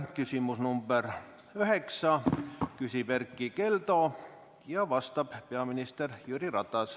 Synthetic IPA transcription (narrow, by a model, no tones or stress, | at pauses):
kysimusnumb̥er | øheksɑkysiperkːikelt̪o | jɑʋɑst̪ɑppeɑminist̪erjyːrirɑt̪ɑs